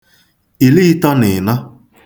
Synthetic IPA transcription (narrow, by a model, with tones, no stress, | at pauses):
i˨li˦tɔ˦nɪ˨na˦